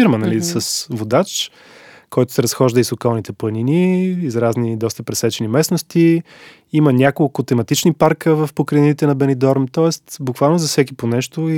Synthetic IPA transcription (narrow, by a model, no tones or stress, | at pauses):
iɾmənɐlisəsvod̪at͡ʃ | kɔjt̪ʊ̥sɛɾɐsxɔʒd̪əisokalˠnit̪ɛpəniniːzɾaznid̪ɔst̪əpɾɛsɛt͡ʃɛnimɛsnost̪i | imənʲakolˠkʊt̪ɛmɐt̪it͡ʃnipaɾkəvɐfpokɾɛnit̪ɛnɐbɛnid̪ɔɾmt̪ɔɛst̪bʊkvalˠnozɐfsɛk̬iponɛʃt̪oi